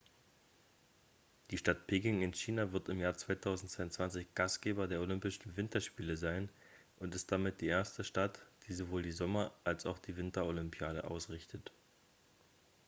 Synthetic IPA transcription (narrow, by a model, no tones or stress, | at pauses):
d̥iːʃtat̚pʰeːkɪŋɪnçiːnavɪɐtɪmjaːɐt͡sv̥aɪtʰaʊzn̩tt͡sv̥aɪʊnt͡sv̥ant͡sɪçɡ̥astɡ̥eːbɐdeːɐolʏmpɪʃn̩vɪntɐʃpiːləzaɪn | ʔʊntɪstd̥amɪt̚d̥iːʔeːɐstəʃtatd̥iːzovoːldiːzɔmɐʔalsaʊxd̥iːvɪntɐolʏmpʰjaːɾə̰ʔa̰ʊsʁɪçtʰət